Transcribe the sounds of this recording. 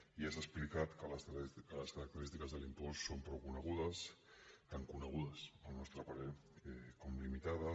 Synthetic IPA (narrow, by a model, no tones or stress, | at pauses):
iasasplikat̪kələskələskəɾək̚t̪əɾist̪ikəzðəlimpɔssompɾowkunəɣ̞uðəst̪aŋkunəɣ̞uðəsəlˠnɔst̪ɾəpaɾeɛkomlimit̪aðə